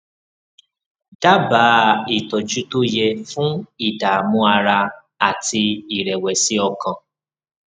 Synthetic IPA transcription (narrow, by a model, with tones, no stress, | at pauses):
d̥a˦ba˨˦i˨tɔ˨d͡ʒu˨˦to˦jɛ˧fũ˦i˦˨da˨mũ˨˦a˧ɾa˧ | a˨ti˧i˨ɾɛ˨wɛ˨si˦ɔ˧kã˨